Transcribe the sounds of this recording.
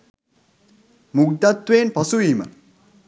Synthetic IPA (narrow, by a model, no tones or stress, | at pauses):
muɡ̚d̪at̪ːweːnpɐsuiːmə̰